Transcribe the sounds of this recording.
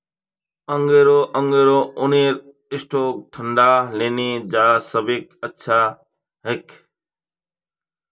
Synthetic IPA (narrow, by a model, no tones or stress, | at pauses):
əŋɡeːɾoːʔəŋɡeːɾoːʔʊniːɾ | ɪsʈʰoːk̚t̪ʰəɳɖaːleːniːd͡ʒaːsəbiːkətːʃʰaː | ɦɪkʰ